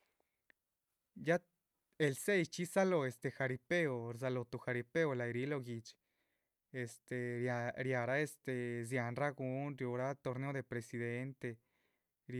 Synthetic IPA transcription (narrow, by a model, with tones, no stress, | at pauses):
ja˦ | e˨lse˦jt͡ʃi˦sa˦lo˨e˨st̪e˧˨xa˨ɾi˧pe˦o˨ɾs̬a˧lo˨t̪u˨xa˨ɾi˧pe˦o˧la˨jɾi˧˦lo˧ɡi˨t͡ʃ | e˨st̪e˨aɾja˨ɾa˦e˧st̪e˨zja˨nra˦ɡu˧˦nɾjo˧ɾa˦t̪o˧ɾne˧o˧˦d̪e˨pɾe˨si˧d̪e˧nt̪e˧ | ɾ